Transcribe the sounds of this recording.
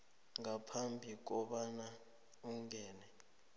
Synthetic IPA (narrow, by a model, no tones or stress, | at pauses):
ŋapʰambʱik̬ɔɓana | uŋɛːnɛ